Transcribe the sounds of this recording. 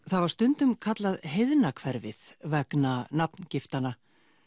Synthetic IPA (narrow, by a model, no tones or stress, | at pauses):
θaðvaɾ̥st̪ʏnt̪ʏmkʰat̪laðɦejðnakʰvɛɾvɪðvɛknanapncɪft̪anːa